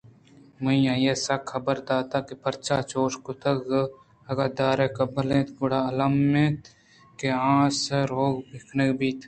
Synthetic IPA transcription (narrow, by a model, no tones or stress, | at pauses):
mɐĩjãːjesakʰːɐbəɾd̪aːt̪akepɐɾt͡ʃat͡ʃoːʃkot̪əɡ | ɐɡad̪aːɾekɐbəlẽːt̪ɡʊɽaːɐlamːẽːt̪ | keãːseɾoːɡbɪkʰnekbiːt̪ʰ